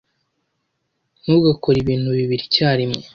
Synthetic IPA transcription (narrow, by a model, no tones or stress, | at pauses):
nuɡako̞ɾiβiːn̥huβiβiɾicaːɾimo